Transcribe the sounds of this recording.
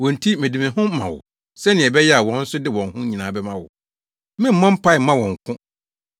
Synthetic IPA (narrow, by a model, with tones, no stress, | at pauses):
wɔ̃˨n̩˨tʰi˦mɪ̃˨dĩ˨mɪ̃˨ɦʊ̃˦mã̰˨wʊ̰˨ | sɛ˦nɪ̃˨ɛ˨bɛ˦jɛ˦a˨wɔ̃˦n̩˦sʊ˦dɪ˦wɔ̃˨nhʊ̃˦ɲĩ˨nãː˨bɛ˦mã˦wʊ̰˨ | mɪ̃˦m̩˦mã˦m̩˦pʰa˦ɪ˨mã˦wɔ̃˨ŋ̩˨kʰʊ̃˦